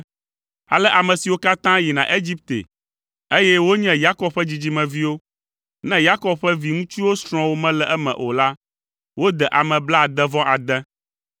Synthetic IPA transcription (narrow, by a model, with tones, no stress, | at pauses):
a̰˨lɛ˦ʔa˨mɛ̃˨si˨wo˦ka˦t̪ã˦ji˨nã̰˨ʔe˦d͡ʑi˦p̚t̪ḛ˨ | e˦jɛ˦wo˦ɲɛ̃˦ja˦kɔ˦b̚ɸɛ˦d͡ʑi˨d͡ʑi˦mɛ̃˨vi˦wo˦ | nɛ̃˦ja˦kɔ˦b̚ɸɛ˦vi˨ŋũ˦t͡ʃi˦wo˦sɾ̃ɔ̃˨wo˦mɛ̃˦lɛ˨ʔɛ˦mɛ̰̃˨ʔo̰˨la˦ | wo˦d̪ɛ˨ʔa˨mɛ̃˨bla˦˨d̪ɛ˦vɔ̃˦ʔa˨d̪ɛ̃˦